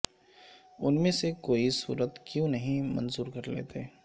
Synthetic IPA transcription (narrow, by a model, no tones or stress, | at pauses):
ʊnmẽsekoːisṵːɾət̪kjõnɐɦĩmɐ̰̃nzuːɾkɐɾlḛːt̪e